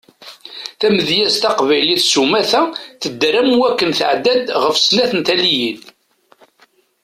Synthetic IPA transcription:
θæməðjæst̪ɑqvæjliθsumæθæθəd̪ːɾæmwækːənθəʕd̪æd̪ʁəfsnæθənt̪ælijid̪

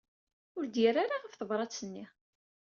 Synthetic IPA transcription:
ʊɾd̪jiraɾaʁəfθəvɾˤɑt͡sːənːi

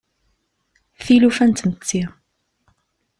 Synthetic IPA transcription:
θilufænt̪mət͡s̪ːi

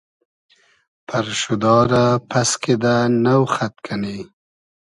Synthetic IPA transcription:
pʰaɾʃud̪ɑːɾapʰasked̪anawxat̪̚kʰani

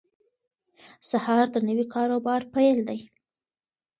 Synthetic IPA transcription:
sahɑɾd̪ənəwikʰɑɾobɑɾpajld̪aj

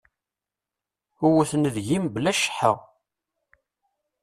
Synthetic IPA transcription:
ʊwæθnəðʝimblæʃħə̰ʁ

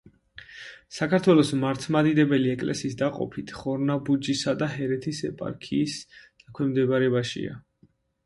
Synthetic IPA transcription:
sakʰaɾt̪ʰwɛlˠɔsmaɾt̪ʰmad̪id̪ɛbɛliɛkʼlɛ̰siːsd̪aqʼɔ̰pʰit̪ʰχɔɾnabud͡ʒisad̪aɦɛɾɛt̪ʰisɛpʼa̰ɾkʰiːsd̪̥akʰwɛmd̪ɛbaɾɛbaʃḭa̰

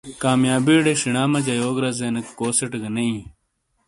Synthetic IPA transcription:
kaːmjaːbiːɖeʂiɳaːmɐd͡ʑɐjoːɡɾɐzeːnɐkkoːseʈɡɐnɐĩ

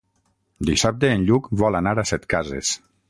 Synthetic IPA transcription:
d̪isap̚t̪eːnʎukβɔlanaɾasɛt̪kazḛs

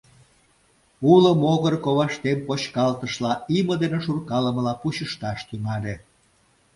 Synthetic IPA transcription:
uləmoɣərkoβɑʃt̪empot͡ɕkɑlt̪əʃlɑiməd̪eneʃurkɑləməlɑpuɕəʃt̪ɑʃt̪yŋɑlʲe

